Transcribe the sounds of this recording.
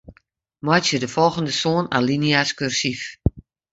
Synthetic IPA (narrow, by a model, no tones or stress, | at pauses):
mɔjtsjədəfɔlˠɣəndəsoːna̰liniaskørsif